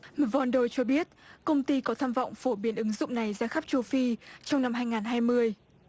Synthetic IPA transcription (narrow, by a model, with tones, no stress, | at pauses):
mvɔ˧nɗo˧˩jt͡ɕɔ˧ɓi˦˥ət̚kə˧wŋ͡mt̪i˧kɔ˨˦t̪ʰaː˧mvɔ̰˧˨wŋ͡mfo˧˩ɓi˨˦ənʔɨ˨˦ŋzʊ̰˧˨ŋ͡mna˨˩jzaː˧xa˦˥p̚t͡ɕo˧fi˧t͡ɕɔ˧wŋ͡mna˧mɦaː˧jŋaː˨˩nɦaː˧jmɨ˧əj